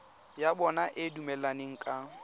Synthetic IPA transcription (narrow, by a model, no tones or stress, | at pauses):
jabɔnaʔɪdumɛlanɪŋ̩kʼa